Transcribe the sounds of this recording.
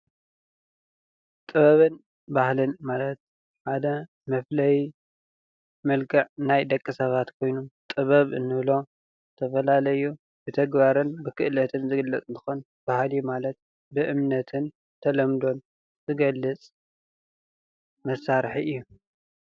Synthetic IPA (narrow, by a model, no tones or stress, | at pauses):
t̪ʼɨβɐβɨn | bahlɨnmalɐt̪̚ | ħad̪ɐ | mɐflɐj | mɐlɡʰɐʕnajd̪ɐkʼːisɐβat̪kʰo̞jnumt̪ʼɨβɐβʔɨnːɨβlo̞ | t̪ʰɐfɐlalɐju | bɨt̪ʰɐɡbaɾɨnbɨkʰɨʔlɐt̪ʰɨnzɨɡɨlːɐt͡sʼɨnt̪ʰɨ̥xon | b̥ahljumalɐt̪̚ | bɨʔɨmnɐt̪ʰɨn | t̪ʰɐlɐmd̪o̞n | zɨɡɐlːɨt͡sʼ | mɐsːaɾħiʔɨjːu